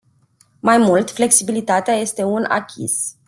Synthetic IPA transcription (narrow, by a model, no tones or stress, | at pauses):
majmult̪fle̞ksibilit̪at̪eaje̞st̪e̞una̰kʲʰḭs